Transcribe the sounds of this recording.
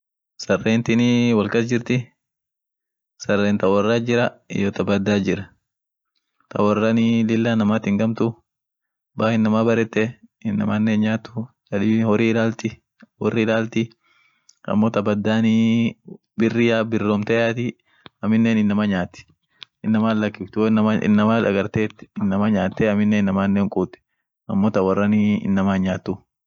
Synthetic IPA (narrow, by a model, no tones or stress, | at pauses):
sɐrːeːnt̪ɪnɪwɐlkɐsd͡ʒɪɾt̪ɪ | sɐrːeːnt̪ɐwɐrːaːd͡ʒɪɾɐɪ̰jɔt̪ɐbɐd̪ːaːd͡ʒɪɾɐ | t̪ʰɐ̰wɐrːanɪlɪlːaːnɐmaːt̪ɪŋɡɐmt̪ʊ | baːhɪnːɐmaːbɐɾɛt̪ːɛɪnːɐ̰manːeːɲɲaːt̪ːʊ | d͡ʒɐᶑɪhɔrɪɪlaːlt̪ɪ | wɔrːɪlaːlt̪ɪ | ɐ̰mːoːt̪ɐbɐd̪ːaːni | bɪrːɪjaːbɪrːomt̪ɛjaːt̪ɪ | ɐmɪnːeːnɪnːɐmaɲaːt̪ːɪ̥ | ɪnːɐmaːlːɐkːɪft̪ʊnɐmaɪ̰nːɐmaːᶑɐɡɐɾt̪eːt̪ːɪ̥ɪnːɐmaɲaːt̪ːɛɐmɪnːenːɐmaːnːeːŋkʼuːt̪ːɪ̥ | ɐ̰mːoːt̪ɐwɐrːɐnɪɪ̰nːɐmaːɲaːt̪ːʊ